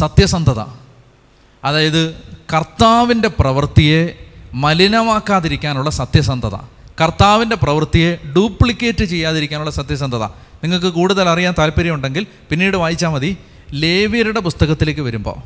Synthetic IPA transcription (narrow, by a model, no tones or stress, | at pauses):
sɐt̪jɐsɐnd̪ʱɐðɐ̰ | ɐðaːjɐðɨkɐrt̪aːʋinde̞prɐʋɐrt̪ije̞mɐlinɐmaːkːaːðiɾikʲːaːnuɭːɐsɐt̪jɐsɐnd̪ʱɐðɐ̰ | kɐrt̪aːʋinde̞prɐʋɐrt̪ijeɖuːpːɭikʲːeːtːɨt͡ɕe̞jːaːðiɾikʲːaːnuɭːɐsɐt̪jɐs̬ɐnd̪ʱɐðɐ̰ | niŋːɐɭkɨkuːɽuðɐlɐrijaːnt̪aːlpɐɾjɐmuɳɖe̞ŋɡil | pinːiːɽɨʋaːjit͡ɕːaːmɐði | le̞ːʋijɐɾuɽe̞pust̪ɐɣɐt̪ːile̞ːk̬ʲːɨʋɐɾumbo̞̰ː